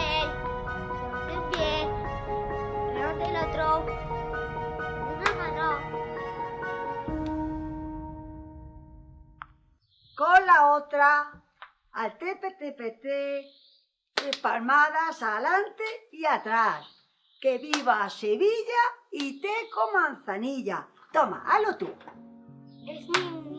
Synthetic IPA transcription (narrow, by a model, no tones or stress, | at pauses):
el | epje | loðelot̪ɾow | unamano | kolaot̪ɾa | alt̪epet̪epet̪e | espalmaðasalant̪eiat̪ɾas | keβiβaːseβiʎait̪ekomãn̟θaniʎa | t̪oma̰ʔa̰lot̪u | e